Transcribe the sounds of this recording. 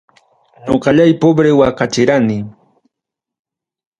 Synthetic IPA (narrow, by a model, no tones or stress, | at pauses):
ɲoqɑʎajpobɾewakat͡ʃɪɾanɪ